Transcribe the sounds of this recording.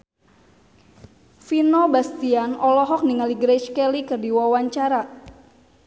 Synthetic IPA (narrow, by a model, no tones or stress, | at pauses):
finɔbast̪ianʔɔlɔɦɔk̚niŋaliɡɾɛt͡ʃkɛlikɨrdiwawaɲt͡ʃaɾa